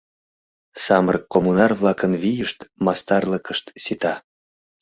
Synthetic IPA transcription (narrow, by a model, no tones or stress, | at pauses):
sɑmərkːomunɑrβlˠɑkənβijəʃt̪mɑst̪ɑrləkəʃt̪sit̪ɑ